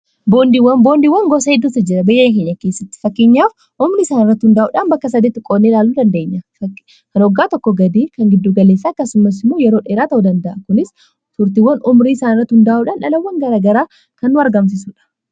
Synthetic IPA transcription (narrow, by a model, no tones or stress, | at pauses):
boːnd̪iwːɐnboːnd̪iːwːɐŋɡɔsɐhɛd̪ːuːt̪ːɐd͡ʒɪɾɐbɐjeːŋk̬eɲːɐke̞ːsːɐt̪ːɪ̥fɐkːɪɲːaːf | ʔʊmɾiɪsaːnɪrːɐt̪ːhʊnd̪aʔṵːᶑaːnbɐkːɐs̬ɐd̪eːt̪ːɪkʼoːnːeːlaːlːuːd̪ɐnd̪eɲːɐ | kɐnɔɡːaːt̪ɔkːɔɡɐd̪iːkɐŋɡɪd̪ːuːɡɐle̞ːsːaːɐkːɐsʊmɐs̬ɪmːojɛɾo̞ːᶑeːɾaːt̪ɐud̪ɐnd̪ɐʔɐkʊnɪs | t̪ʊɾt̪iːwːɐnʊmɾiːɪsaːnɪrːɐt̪ːhʊnd̪ɐʔʔuːᶑaːnᶑɐlɐwːɐŋɡɐɾaːɡɐɾaː | kɐnːʊɐɾɡɐms̬ɪsuːᶑɐ̥